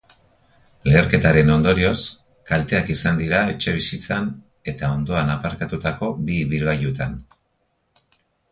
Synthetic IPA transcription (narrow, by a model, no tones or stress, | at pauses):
le̞ːɾke̞t̪aɾe̞no̞nd̪o̞ɾio̞s | kalt̪e̞akisand̪iɾae̞t͡ʃe̞β̞isit͡san | e̞t̪ao̞nd̪o̞anapaɾkat̪ut̪ako̞biβilβajut̪an